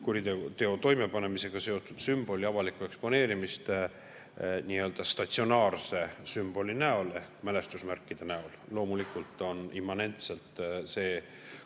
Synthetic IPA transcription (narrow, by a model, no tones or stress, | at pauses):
kuɾid̪et̪e̞o̞t̪o̞jme̞pɑne̞mise̞ɡ̥ɑse̞o̞t̪ːˑud̪̥symb̥o̞lʲiɑvɑlikːue̞kspo̞ne̞ːɾimist̪ | niːø̞ːld̪̥ɑst̪ɑt̪sio̞nɑːrse̞symb̥o̞lʲinæo̞le̞hkmæle̞st̪usmærkˑːid̪̥e̞næollo̞ːmulikːˑult̪ːˑo̞nimːɑne̞nt̪se̞lt̪ˑse̞ː